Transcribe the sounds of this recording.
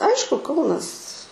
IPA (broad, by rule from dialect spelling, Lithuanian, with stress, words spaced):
ˈɐɪʃkʊ ˈkɐʊnɐs